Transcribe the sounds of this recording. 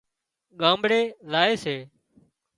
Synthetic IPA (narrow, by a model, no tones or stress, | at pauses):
ɠãːmbɽeːlaːeːseː